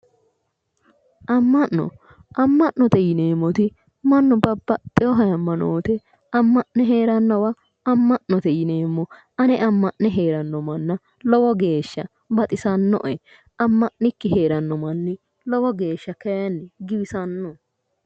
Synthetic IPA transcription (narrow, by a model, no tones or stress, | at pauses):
ʔɐmːɐʔːɔ̰ | ʔɐmːɐʔnɔt̪ɛjɪneːmːɔt̪ɪ | mɐnːɔbɐbːɐt̪ʼːɪjɔɦɐjɐmːɐno̰ːt̪ɛ | ɐmːɐʔnɛɦeːɾɐnːɐwɐ | ɐmːɐʔnɔt̪ɛjɪne̞ːmːɔ | ɐnɛʔɐmːɐʔnːɛɦeːɾɐnːɔmɐnːɐ | lɔwɔɡe̞ːʃːɐ | bɐt̪ʼɪsɐnːɔ̰ʔɛ | ɐmːɐʔnɪkːɪɦe̞ːɾɐnːɔmɐnːɪ | lɔwɔɡe̞ːʃːɐkɛjɐnːɪɡɪbɪsɐnːɔ